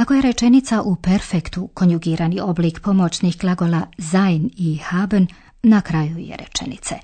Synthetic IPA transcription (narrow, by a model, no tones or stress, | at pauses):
ako̞jeɾe̞t͡ʃe̞nit̪saʔupeɾfekt̪uko̞njuɡiːɾanio̞bliːkpo̞mo̞t͡ɕnixklˠaɡo̞lazajnixabnː | akɾajujḛɾḛt͡ʃḛnḭt̪sḛ